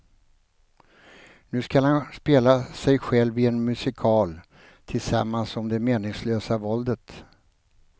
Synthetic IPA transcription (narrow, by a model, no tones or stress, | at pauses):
nʉ̟ːskalhanspeːlasɛjɧɛlːvɪɛnmɵsɪkʰɑːl | t̪ʰɪlsamːansɔmd̪ɛmeːnɪŋsløːsavɔld̪ət̪